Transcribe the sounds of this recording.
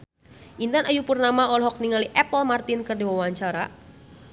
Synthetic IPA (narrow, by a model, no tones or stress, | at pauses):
ʔint̪anajupurnamaɔlɦɔk̚niŋaliʔɛpəlmart̪ɪnkɨrdiwawaɲt͡ʃaɾa